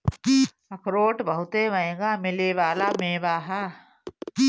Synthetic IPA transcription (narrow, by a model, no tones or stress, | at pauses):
ɐkɾoːʈbəɦʊt̪eʋɐẽːɡaːmɪleʋaːlamẽːʋaːɦaː